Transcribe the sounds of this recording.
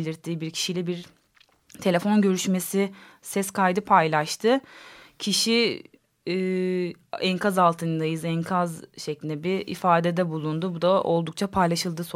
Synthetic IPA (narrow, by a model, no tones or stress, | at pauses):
lʲiɾt̪ʰːiːbiɾcʰi̥ʃilʲɛbiɾ | t̪ʰe̞lʲe̞fo̞nɟø̞ɾyʃme̞sisɛskʰajd̪ɯpʰajlˠaʃt̪ʰɯcʰiʃi | ɛnkʰazalˠt̪ʰɯnd̪ajɯzɛnkʰazʃe̞clʲind̪ɛbiɾḭfaːd̪ed̪ɛbulˠund̪ubud̪aʔo̞̰lˠd̪uk̚t͡ʃʰapʰajlˠaʃɯlˠd̪ɯso